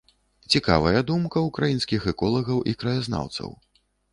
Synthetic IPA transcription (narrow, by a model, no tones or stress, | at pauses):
t͡sʲika̰vɐjɐd̪umkɐukɾajinskʲixɛkɔlˠɐɣɐwʔikɾɐjazna̰wt̪sɐ̰w